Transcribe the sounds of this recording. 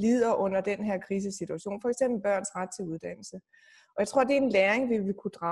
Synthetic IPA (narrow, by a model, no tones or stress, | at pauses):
lið̰ˠɐʔɔ̽n̰ɐd̥enɦeɐ̰kʰʁiːs̬əsit͡sʰuæɕo̝̰ːnfɒ̽eɡ̥semb̥l̩b̥ɶɐ̰nsʁäd̥̚t͡sʰe̝luðˠd̥æn̰l̩sə | ɒjäɪt͡sʰʁo̝ɐd̥e̝ɐenleːeŋʋiʋekʰud̥ʁɑ̈